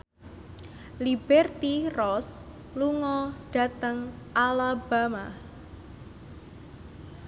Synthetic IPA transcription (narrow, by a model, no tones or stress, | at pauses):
lib̥ɛrt̪irɔs | luŋɔɖ̥a̤t̪əŋʔalab̥a̤ma